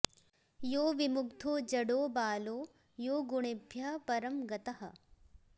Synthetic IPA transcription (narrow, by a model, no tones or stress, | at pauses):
joːʋimʊkt̪ʰoːd͡ʒɐɽoːbaːloː | joːɡuɳ̃ebʱjɐpɐɾɐmɡɐt̪ɐɦɐ̆